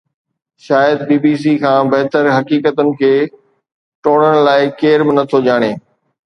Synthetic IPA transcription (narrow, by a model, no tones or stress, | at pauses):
ʃaːjəd̪̚biːbiːs̬ikʰãːbɐɦt̪əɾɦɐkiːkət̪ʊnɪ̆kʰeː | ʈoːɽ̃əɽ̃ʊlaːɪkeːɾbɪnɐt̪ʰod͡ʑaːɽ̃eː